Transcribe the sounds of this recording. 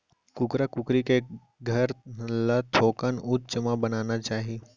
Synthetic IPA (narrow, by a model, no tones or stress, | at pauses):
kʊkɾakʊkɾike | ɡʱɐɾlat̪ʰoːkənʊt͡ʃəmãbɐnaːnat͡ʃaːɦi